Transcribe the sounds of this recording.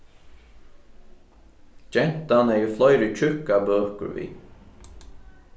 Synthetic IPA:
d͡ʒɛn̥t̪anɛjɪflɔjɾət͡ʃʰʏkabøːkə̰ɾʋḭː

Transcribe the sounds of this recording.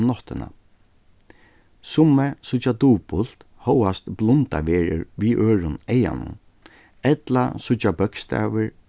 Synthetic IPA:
nɔt̪ɪna̰ | sʊmːɛsʊt͡ʃat̪uːpʊl̥t̪ | hɔwast̪blʊnt̪a̰ʋeːɹɪ̰ɹʋiːʔøːɹʊnɛja̰nʊ̰n | ɛt̪la̰sʊt͡ʃabœkst̪ɛ̰ːʋɪɹ

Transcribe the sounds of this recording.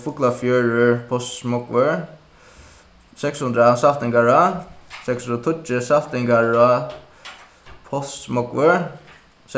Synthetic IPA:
fʊklafjœːɹʏɹpʰɔst̪mɔkʋəɹ | sɛkshʊnd̪ɾasaft̪ɪŋɡaɹasɛksɔt̪ʰʊt͡ʃɪsaft̪ɪŋkaɹa | pʰɔst̪mɔkʋəɹ | s

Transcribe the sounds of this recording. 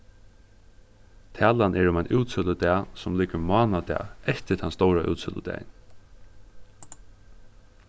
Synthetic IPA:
t̪ʰæːlanʔɛɹʊmajnʔuːt̪sʏləd̪æːsʊmliːkəɾmɑːnad̪ɛ̰ːɛht̪ɪt̪ʰanst̪owɾaʔṵːt̪sʏ̰lə̰d̪ɛ̰ːj̰n

